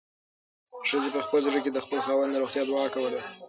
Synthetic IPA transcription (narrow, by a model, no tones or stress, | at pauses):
ʂəzepəxpəzʐək̬ed̪əxpəlxɑwand̪d̪aɾoxt̪jɑd̪wɑkawəle